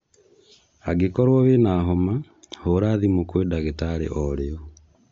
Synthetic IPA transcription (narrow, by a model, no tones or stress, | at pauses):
aɡekɔɾwɔβenaɦɔma | hoɾaːðimokweːdaɣetaɾḛʔɔɾeɔ